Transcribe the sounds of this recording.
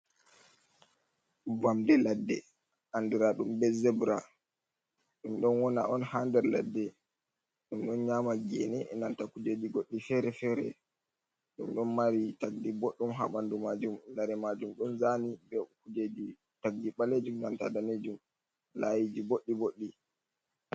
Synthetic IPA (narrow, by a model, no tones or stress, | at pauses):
vamdɛladːɛ̰ | ʔandiɾaɗumbɛzɛbɾa | ɗumɗɔnwɔna̰ʔɔnhandɛɾla̰dːɛ | ɗumɗɔnɲaːmaɡḛnɛnantakud͡ʒed͡ʒiɡoɗːifɛɾɛfɛɾɛ̰ | ɗumɗɔnmaɾitaɡdiboɗːumɦa̰ɓandumad͡ʒumlaɾɛmad͡ʒumɗɔnzanibɛkud͡ʒed͡ʒi | taɡɡiɓaled͡ʒumnanta̰daned͡ʒum | lajid͡ʒiboɗːiboɗːi